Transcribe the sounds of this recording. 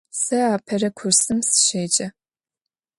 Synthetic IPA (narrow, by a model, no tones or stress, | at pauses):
sɐaːpʰɐrɐkʷʰʊrsɨmsɨ̥ʃeːt͡ʃʼɐ